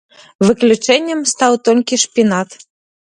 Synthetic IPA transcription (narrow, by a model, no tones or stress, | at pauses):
vɨklʲut͡ʃɛnʲːəmst̪ɑwt̪olʲkʲiʃpʲinɑt̪